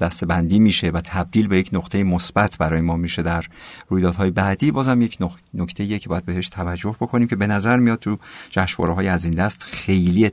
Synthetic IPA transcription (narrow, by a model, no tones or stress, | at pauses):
d̪æst̪e̞bænd̪iːmiːʃevæt̪ʰæb̚d̪iːlbe̞jecʰnoqt̪ʰe̞jemosbæt̪ʰbæɾɒːjemɒːmiːʃe̞d̪æɾːuːjd̪ɒːd̪ɦɒːjebæːd̪iːbɒːzæmjecʰno | nocʰt̪e̞ijecʰebːjæd̪be̞he̞ʃt̪ʰævæd͡ʒːo̞hbo̞kʰo̞niːmcʰe̞be̞næzæɾmijɒːd̪̚t̪ʰud͡ʒæʃvɒ̰ːɾeɦɒːjeæziːnd̪æst̪xe̞jlie